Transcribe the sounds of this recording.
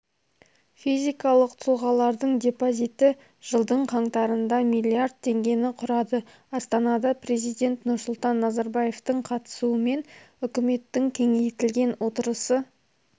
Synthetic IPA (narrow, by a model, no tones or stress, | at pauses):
fijzʲijkɑlˠəqt̪ʰʊlˠʁɑlˠɑɾd̪əɴd̪ʲe̞pozʲit̪ɪ | ʒ̥əlˠd̪əɴqʰɑɴt̪ɑɾənd̪ɑmijlʲˠːiard̪̚t̪ʰe̞ŋɡʲe̞nɪqʰʊɾɑd̪ə | ɑst̪ɑnɑd̪ɑpɾe̞zijd̪ʲe̞nt̪nʊɾsʊlˠt̪ɑnːɑzɑɾbɑje̞ft̪əɴqʰɑt̪ə̥suəme̞n | ʏkʲɪme̞t̪ːɪŋkʲʰe̞ŋe̞jt̪ɪlɡʲe̞nwʔo̞t̪əɾəsə